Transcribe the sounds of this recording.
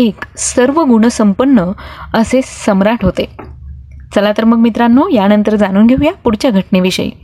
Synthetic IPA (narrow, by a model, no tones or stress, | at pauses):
eksəɾʋəɡuɳ̃əsəmpənːəəsesəmɾaʈʰɦot̪e | t͡səlat̪əɾmək̚mit̪ɾanːojanənt̪əɾd͡zañuːnɡʱeʋjapuɽt͡ɕjaɡʱəʈneʋiɕə̰ḭː